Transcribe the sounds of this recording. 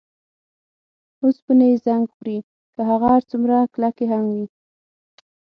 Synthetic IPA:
ospənezaŋɡpɾi | kəɦaɣaɾt͡sumɾaklakeɦamwi

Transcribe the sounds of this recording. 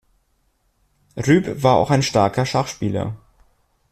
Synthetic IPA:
ʁyːpv̥aːɐa̰ʊxaɪnʃtaɐkɐʃaχʃpiːlɐ̰

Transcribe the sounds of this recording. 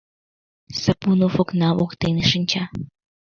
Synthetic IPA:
səpunofoknɑʔokt̪eneʃɨnʲt͡ɕɑ

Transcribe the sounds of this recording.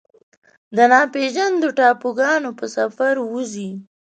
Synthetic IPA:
d̪ənɑpeʒand̪oʈɑpoɡɑnopəsafaɾwuzi

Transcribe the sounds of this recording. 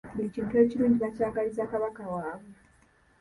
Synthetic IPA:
mbuiciːntue̞ːciɾuːɲɟiβacaːɡalizaːkaβakawaːβwe

